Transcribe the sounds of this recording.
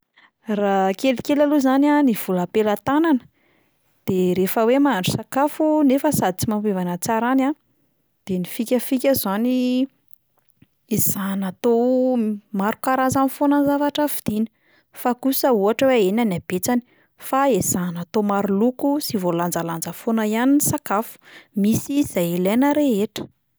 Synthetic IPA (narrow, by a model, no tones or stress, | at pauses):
rakelikʲelaluzananiv̥uləpelat̪ananə | d̪̥eɾefəwemaɳɖ͡ʐu̥sakafunefəsad̪it͡simampevanət͡saɾana | d̪̥enifikʲəfikʲazani | ez̥anat̪o | maɾukaɾanzanifonənzavaʈ͡ʂəfid̪̥ini̥ | fakusəuaʈ͡ʂəweenanab̥et͡sani̥ | faez̥anat̪omaɾulukusivoland͡zaland͡zəfonajaninsakafu̥misiz̥ajelenəɾeɦeʈ͡ʂə̥